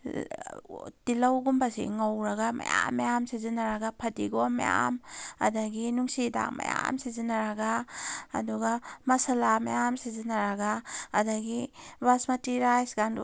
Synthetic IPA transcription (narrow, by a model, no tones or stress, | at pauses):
tilɐwɡumbasḭŋawɾɐɡamɐ̰ja̰mːejamsizinaɾaɡapʰɐdiɡomḛja̰mɐ̰dɐɡinuŋsida̰k̚mɐ̰ja̰msizinaɾɐɡa̰ː | duɡamɐsɐlama̰jamsizinaɾaɡaːdaɡibasmɐtiɾajsɡandṵ